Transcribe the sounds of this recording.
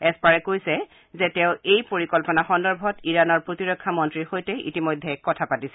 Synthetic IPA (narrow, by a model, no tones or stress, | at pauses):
ɛspaɹɛkojsɛ | zɛtɛ̃ʊ̃ejpoɹikɔlpɔnaxɔndɔɹbʱɔtiɹanɔɹpɹotiɹɔkʰːamɔntɹixojtɛʔḭtimɔjdʱɛkɔtʰapatisɛ